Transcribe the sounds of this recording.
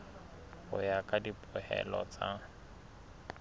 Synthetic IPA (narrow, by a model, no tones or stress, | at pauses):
hʊjakʼadipʼʊhɛ̰lɔt͡sʼa